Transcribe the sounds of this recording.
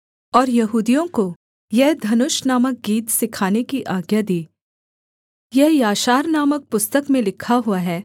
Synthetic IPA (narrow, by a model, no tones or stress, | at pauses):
ɔːɾjɐɦuːd̪ijõko | jɛɦd̪ʱɐnʊʃnaːmək̚ɡiːt̪sɪkʰaːnekiʔaːɡjad̪iː | jɛɦjaːʃaːɾnaːmək̚pʊst̪əkmẽlɪkʰːaɦuaɦɛː